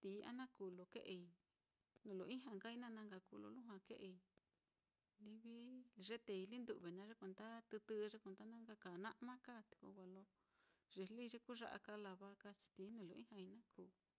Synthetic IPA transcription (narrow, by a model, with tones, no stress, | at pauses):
t̪iː˨˦a̰˦nã˦ku˨lo˨ke˦ʔe˧i˧ | nũ˨lo˨ĩ˦ɦã˧ŋɡa˦i˧˦nã˦˧nã˧ŋɡa˧ku˧˨lo̰˧lũ˦ɦwã˧ke˦ʔe˧˨i˧ | li˦βi˦ʐe˦t̪e˨˧i˧li˦nd̪u˧˨βe˨nã˧ʐe˦kʷe˧˨nd̪a˦t̪ɨ˧t̪ɨ˦˧ʐe˦kʷe˧˨nd̪a˦nã˦ŋɡa˧ka˨nã˦ʔmã˦ka˦˨t̪i̥˧˨ko̰˧kʷa˧lo˧˦ | ʐe˧˨li˦˧ʐe˦ku˦ʐa̰˦ʔa̰˧ka˧la˧βa˦ka˦t͡ʃi̥˧t̪i˨˦nũ˧˨lo˨ʔĩ˦hã˧i˧nã˦kʰuː˨